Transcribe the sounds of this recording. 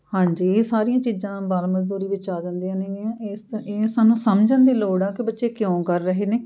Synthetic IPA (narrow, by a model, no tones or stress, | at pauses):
hãːɲd͡ʒiːeːsaːɾijãːt͡ʃiːzãːbaːlməzd̪uːɾiːʋɪt͡ʃaːd͡ʒãnd̪iãːneːɡeãːest̪eːsaːnũːsəmd͡ʒənd̪eːloːɽaːkɪbətːʃeːkjõːkəɾːəɦeːneː